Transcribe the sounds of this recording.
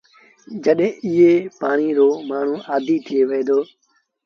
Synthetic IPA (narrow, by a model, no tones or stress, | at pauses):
d͡ʒəɗɦẽːɪɦeːpaːɳiːɾoːmaːɳ̤ũːʔaːd̪ʱiːt̪ʰɪeːʋeːd̪oː